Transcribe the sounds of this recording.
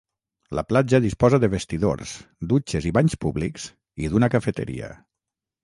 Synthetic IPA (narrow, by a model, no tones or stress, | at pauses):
lə̰plad͡ʒaðispɔzəðəβest̪iðo̰ɾsd̪ut͡ʃeziβaɲspuβlikz̥ | iðunəkafət̪ə̰ɾḭə̰